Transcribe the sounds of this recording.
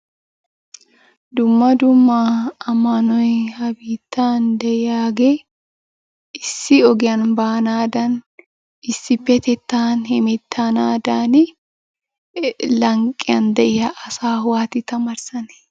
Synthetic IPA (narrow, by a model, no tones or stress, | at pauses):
d̪ʊmːɐd̪ʊmːaɐmːɐnɔjhɐbiːt̪ːaːnd̪ɛʔɪjaːɡɛ | ɪsːɪɔɡɪjɐnbaːnaːd̪ɐn | ɪsːɪpːɛt̪ɛt̪ːaːnhɪmɪt̪ʰːanaːd̪aːn | lɐŋkʼːɪjɐnd̪ɛʔɪjɐʔɐsaːhwaːt̪ɪt̪ɐmɐɾsɐn